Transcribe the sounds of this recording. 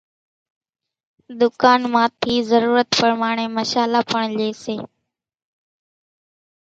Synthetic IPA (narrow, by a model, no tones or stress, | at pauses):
d̪ʊkaːnmãːt̪ʰiːzəɾuːɾət̪pəɾmaːɳ̃eːməʃaːlaːpəɳleːseː